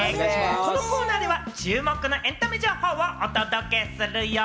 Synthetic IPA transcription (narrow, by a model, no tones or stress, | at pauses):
ekonoko̞ːnaːd̪e̞βat͡ɕɨːmo̞kɯ̟no̞ʔẽ̞nt̪amʲiʑoːho̞ːoʔot̪od̪oke̞sɨɾɯ̟jo